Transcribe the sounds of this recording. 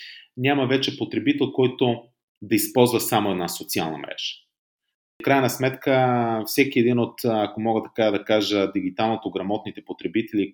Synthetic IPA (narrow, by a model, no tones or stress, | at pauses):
nʲamɐvɛt͡ʃɛpot̪ɾɛbit̪ɛlˠkɔjt̪o | d̪ɐispɔlˠzvəsamoɛd̪nasot̪sia̰lˠnɐ̰mɾɛ̰ʃə̥ | kɾajnɐsmɛt̪kəfsɛk̟iɛd̪inot̪akomɔɡət̪ɐ̥kad̪ɐkaʒəd̪iɡit̪alˠnot̪oɡɾɐmɔt̪nit̪ɛpot̪ɾɛbit̪ɛli